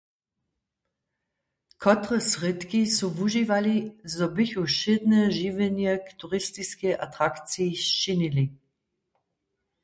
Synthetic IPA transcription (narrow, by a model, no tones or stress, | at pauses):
kʰɔt̪ʁəsʁɪt̪kisɔvuʒivalizɔbiçuʃɪd̪nɛʒiːvɛnjɛkt̪uʁist̪iskɛʔat̪ʁakt͡sit͡ʃinili